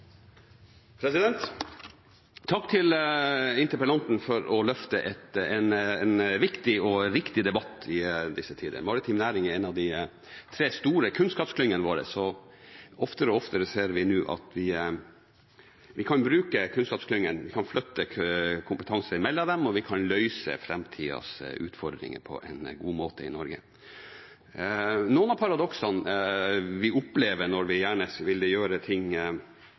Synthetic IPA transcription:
pʰɾɛsɪd̪ɛnt̪ | t̪ʰːɑkːt̪ʰɪlɪnt̪əɾpəlɑnt̪n̩fɔɾɔlœft̪əʔɛt̪ɛnɛnʋɪkt̪ɪɔɾɪkt̪ɪd̪ɛbɑt̪ːɪd̪ɪsːət̪ʰiːd̪ə̰ɾmɑɾɪt̪ʰiːmnæːɾɪŋəɛnɑʋd̪ɪ | t̪ʰɾeːst̪uːɾəkʰʉnskɑːpskʰlʏŋːənəʋoːɾə̰sɔ | ɔft̪əɾɔɔft̪əɾəseːɾʋɪnʉːʔɑ̰t̪ʋɪ | ʋɪkʰɑnbɾʉːkəkʰʉnskɑːpsklʏŋːənʋɪkʰɑnflœt̪ːəkʰʊmpət̪ʰɑŋsəɾɪmɛlːəd̪ɛmɔʋɪkʰɑnlœʏsə̰fɾɛmt̪ʰḭːɑ̰sʉ̰ːt̪fɔd̪ɾɪ̰ŋə̰pʰɔ̰ʔɛ̰ɪnɡuːmoːt̪əɪ̰nɔɾɡə̰ | nuːənɑpʰɑɾɑd̪ɔksɑn | ʋɪʔʊpleːʋəɳɔɾʋɪjæːɳəʋɪld̪ɛjøːɾət̪ʰɪŋ

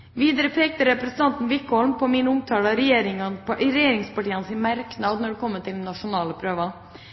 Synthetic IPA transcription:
ʋiːd̪əɾəpʰeːk̚t̪əɾɛpɾɛsn̩t̪ɑnt̪n̩ʋɪkːɔlmpʰɔmɪnəʊmt̪ʰɑːlɑɾɛjeːɾɪŋɑpɾɛjeːɾɪŋspɑʈiːɑnsɪnmæɾknɑːd̪nɔɖʉkʰɔmːəʈɪlnːɑʂʊnɑːləpʰɾøːʋɑ

